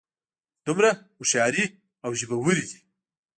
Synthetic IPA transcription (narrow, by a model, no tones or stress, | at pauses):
d̪̥umɾa | uʃɑɾi | awʒibawuɾid̪i